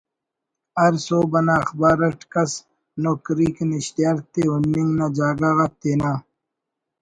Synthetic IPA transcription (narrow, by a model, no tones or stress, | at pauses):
ɐɾsoːbɐnaːɐxbaːɾɐʈkɐs | noːkɾiːkniɕt̪jaɾt̪eunːiŋnad͡ʑaːɡaɣɐt̪ːeːnaː